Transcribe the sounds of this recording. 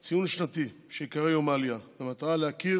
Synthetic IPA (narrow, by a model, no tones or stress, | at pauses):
t͡sijunʃnat̪iʃekaʁejomaljavemat̪alehaki